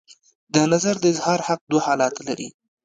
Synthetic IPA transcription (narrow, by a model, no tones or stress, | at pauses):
d̪ənazaɾd̪əɪzhɑɾhaq̚d̪wahɑlɑt̪ala̰ɾḭ